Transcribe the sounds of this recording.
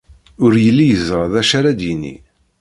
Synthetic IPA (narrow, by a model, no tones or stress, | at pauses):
ʊɾjəlːijəzəɾðæʃaɾad̪jinːḭ